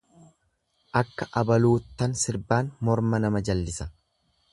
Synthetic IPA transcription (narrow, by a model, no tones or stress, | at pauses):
ʔɐkːɐʔɐbɐluːt̪ːɐnsɪɾbaːnmɔɾmɐnɐmɐd͡ʒɐlːɪsɐ̥